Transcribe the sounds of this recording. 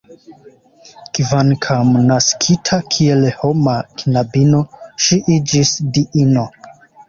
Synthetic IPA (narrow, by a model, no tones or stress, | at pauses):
kvaŋkʰamnaskʰitʰakʰie̞lho̞maknabino̞ʃiʔid͡ʒisdiʔino̞